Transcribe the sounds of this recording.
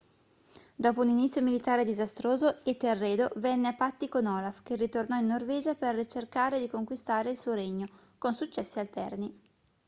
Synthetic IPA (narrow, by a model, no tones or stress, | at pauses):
d̪ɔːpouninit̪sjomilit̪aːɾed̪izast̪ɾoːzoet̪erːeːd̪ovɛnːeapːat̪ːikonɔːlafk̟erːit̪ornɔinːorvɛːd͡ʒapert͡ʃerkaːɾed̪ikoŋkwist̪aːɾeilsuːoɾeɲːo | konsut͡ʃːɛsːialt̪ɛrni